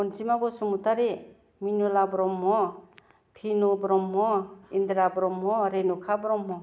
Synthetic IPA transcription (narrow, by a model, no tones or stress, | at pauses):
ɔnsimabɔsumutaɾe | minulabɾɔmːɔ | pʰinubɾɔmːɔindɾabɾɔmɦɔɾenukʰabɾɔmɦɔ